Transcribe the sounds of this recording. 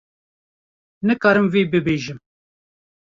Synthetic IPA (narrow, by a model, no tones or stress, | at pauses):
nɨkɑːɾɨmveːbɨbeːʒɨm